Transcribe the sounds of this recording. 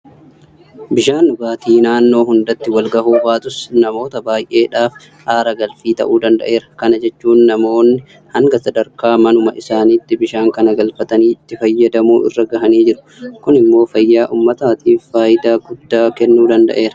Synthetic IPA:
bɪʃaːnʊbaːt̪iːnaːnːo̞ːɦʊnd̪ɐt̪ːɪwɐlɡɐhuːbaːt̪ʊsnɐmo̞ːt̪ɐbaːjʔe̞ːᶑaːf | haːɾɐɡɐlfiːt̪ɐ̰ʔuːd̪ɐnd̪ɐ̰ʔe̞ːɾɐ̥kɐnɐd͡ʒɛt͡ʃːuːnːɐmo̞ːnːɪ | hɐŋɡɐsɐd̪ɐɾkaːmɐnʊmɐʔɪsaːniːt̪ːɪbɪʃaːŋkɐnɐɡɐlfɐt̪ɐniːɪt̪ːɪfɐjːɐd̪ɐmuːɪ̰rːɐɡɐhɐniːd͡ʒɪɾʊ̥ | kʊnɪmːo̞ːfɐjːaːʔʊmːɐt̪aːt̪iːffaːjɪd̪aːɡʊd̪ːaːkɛnːuːd̪ɐnd̪ɐ̰ʔe̞ːɾɐ

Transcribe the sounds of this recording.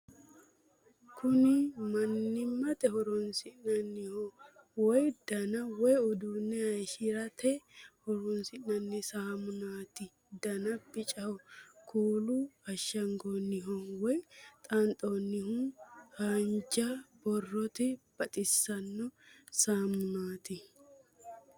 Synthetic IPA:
kʰʊnɪmɐnːɪmːɐt̪ɛhɔɾɔnsɪʔnɐnːɪhɔ | wɔjd̪̥ɐnɐwɔjɔd̪unːɛhɐjʃɪɾɐt̪ʰɛhɔɾɔnsɪʔnɐnːɪsaːmʊnaːt̪ɪ | d̪ɐnɐbɪt͡ʃʼɐhɔkʰuːlʊɐʃːɐŋɡonːɪɦɔwɔjt̪ʼɐnt̪ʼonːɪhuhand͡ʒɐbɔrːɔt̪ɪb̥ɐt̪ʼɪsːɐnːɔsaːmʊnaːt̪ɪ

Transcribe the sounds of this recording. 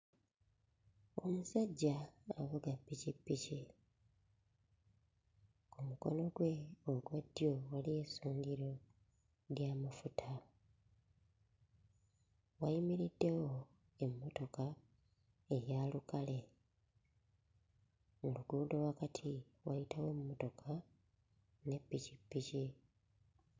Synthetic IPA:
o̞musaɟːaːβuɡapːicipːici | kumuko̞̰no̞ɡwe̞oɡwadːjo̞waliesuːŋɡiɾo̞ | ɾjaːmafutʰa | wajimiɾidːe̞wo̞ | e̞mːoto̞ka | e̞ɾjaːlukale̞ | muluɡuːndo̞lwakatʰiwajitawe̞mːoto̞kʰa | ne̞pːicipːici

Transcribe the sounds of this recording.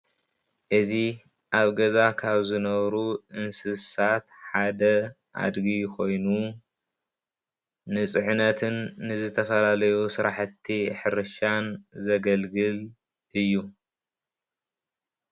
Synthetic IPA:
ʔɨzi | ʔaβɡɐzakʰaβzɨnɐβɾuʔɨnsɨsat̪ħad̪ɐ | ʔa̰d̪ɡikʰo̞jnu | nɨt͡sʼɨʕnɐt̪ʰɨnːɨzɨt̪ʰɐfɐlalɐjusɨɾʔaħɨt̪ʰːiħɨɾɨʃanzɐɡɐlɡɨl | ʔɨjːu

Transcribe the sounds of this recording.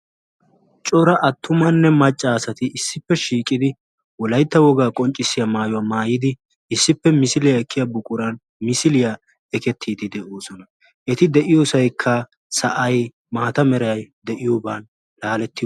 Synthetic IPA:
t͡ʃʼɔɾɐʔɐt̪ːʊmɐnːɛmɐt͡ʃʼːaːsɐt̪ɪʔɪsːɪpːɛʃiːkʼɪd̪ɪ | wɔlɐjt̪ːɐwɔɡaːkʼɔnt͡ʃʼːɪsːɪjɐmaːjʊwaːmaːjɪd̪ɪ | ɪsːɪpːɛmɪsɪlɪjɐɛkʰːɪjɐbʊkʼʊɾɐn | mɪsɪlɪjɐ | ɛkɛt̪ʰːiːd̪ɪd̪ɛʔoːsɔnɐ | ʔɛt̪ɪd̪ɛʔɪjoːsɐjkʰːɐ | sɐʔɐj | maːt̪ɐmɛɾɐjɐjd̪ɛʔɪjobaːn | laːlɛt̪ːɪ

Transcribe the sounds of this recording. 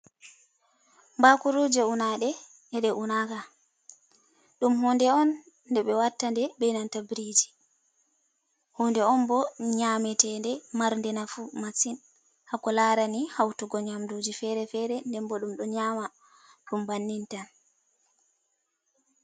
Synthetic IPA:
mbakuɾud͡ʒɛunaɗɛ | ɛɗɛʔunaka | ɗumhɔndɛɔnː | dɛɓɛwatːandɛbɛnantabɾid͡ʒi̥ | hɔndɛɔnbɔɲamɛtɛndɛmaɾndɛnafumasin | hakːɔlaɾanihawtuɡɔɲamdud͡ʒifɛɾɛfɛɾɛndɛmbɔɗumɗɔɲaːma | ɗumbanːintan

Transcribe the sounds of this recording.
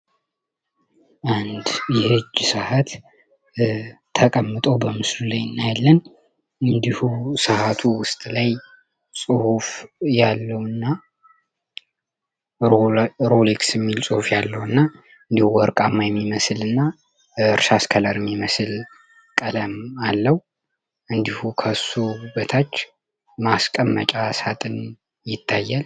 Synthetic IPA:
ʔand̪jɛhɨd͡ʒːsahat̪ | əkʼəmːɨt̪ʼo̞bəmɨslulajɨnːajalːən | ɨnd̪ihusəhat̪ʰuwʊst̪ʼlaj | sʼɨhufjalːəwɨnːa | ɾoliksjɛmːilsʼɨhufjalːəwɨnːa | ɨnd̪ihuwɔɾkʼamːajɛmːiməsɨlɨnːa | ɨɾʃaskʰələɾɨmːiməsɨl | kʼələmalːəhu | ʔɨnd̪ihukʰəsobət̪ʰat͡ʃː | maskʼəmːət͡ʃʼasat̪ʼɨn | jɪt̪ʰːajːal

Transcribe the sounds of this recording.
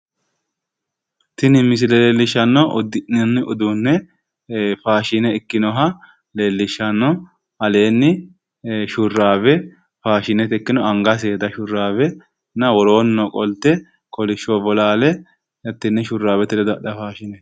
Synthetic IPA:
t̪ɪnɪmɪs̬ɪlɛleːlːɪʃːɐnːɔʔɔd̪ɪʔɛnːɪɔd̪unːɛ | faːʃɪnɛɪkːɪnɔɦɐ | le̞ːlːɪʃːɐnːɔ | ɐle̞ːnːɪ | ʃʊrːaːbɛ | faːʃɪnɛt̪ɛkːɪnɔɐŋɡɐs̬eːd̪ɐʃʊrːaːbɛ | nɐwɔɾo̞ːnːɔkʼɔlt̪ːɛ | kʰɔlɪʃobɔlaːlɛ | jɐt̪ːɪnːɛʃʊrːaːbɛt̪ɪlɛd̪ɐɗɐfaːʃɪnɛ

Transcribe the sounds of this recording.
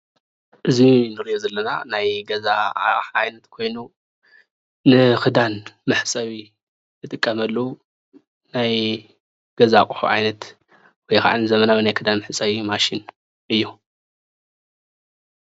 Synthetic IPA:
ʔɨzinɨɾiʔozɐlːɐna̰najɡɐzaħajnɐt̪kʰo̞jnu | nɨkɨd̪anmɨħsʼɐβi | jɨt̪ʼɨkʼːɐmɐlːɐu | naj | ɡ̥ɐzakʼuħṵʕa̰jnɐt̪ | wɔjka̰ʕanɨzɐmɐnabɐnajkʰɨd̪anmɨħɨt͡sʼɐβimaʃin | ʔɨjːu

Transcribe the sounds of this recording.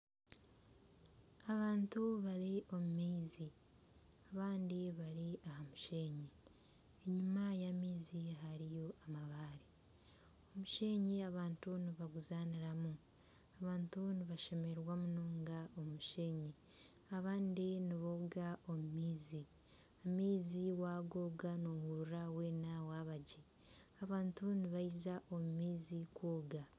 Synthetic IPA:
aβaːntuβaɾiʔo̞mumiːzi | aβaːndiβaɾiahamuʃe̞ːɲi | eɲumajamiːziɦaɾijo̞ʔamaβaːɾi | o̞muʃe̞ːɲiaβaːntuniβaɡuzaniɾamu | aβaːntuniβaʃe̞me̞ɾwamunoːŋɡao̞muʃe̞ɲi | aβaːndiniβoβuɡao̞mumiːzi | amiːziwaːɡoːɡanowuɾawe̞ːnawaβaɟe | aβaːntuniβaizaʔo̞mumiːzikwoːɡa

